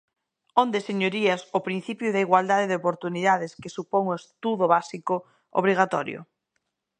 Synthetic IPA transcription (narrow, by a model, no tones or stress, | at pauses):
ond̪eseɲoɾiɐsopɾin̟θipjʊðaiɣwald̪aðeðeopoɾt̪uniðaðɪskesupoŋoest̪uðʊβasiko | o̰β̞ɾiɣ̞at̪ɔ̰ɾjo̰